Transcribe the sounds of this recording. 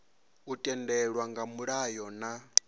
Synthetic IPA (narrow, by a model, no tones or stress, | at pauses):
utʼɛndɛɺwaŋɡamuɺajɔna